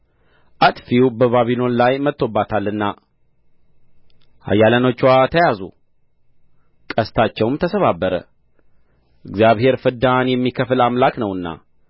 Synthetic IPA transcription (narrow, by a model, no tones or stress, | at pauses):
ʔat̪fiwbəβaβino̞nlajmət̪ːo̞bːat̪ʰalːɨnːa | ha̰jːaləno̞t͡ʃːwat̪ʰəjazṵ | kʼəst̪ʰat͡ʃːɛwmt̪ʰəsəβabːəɾə̰ | ʔɨɡzjaβhe̞ɾfɨd̪anjɛmːikʰəflamlaknəwɨnːa̰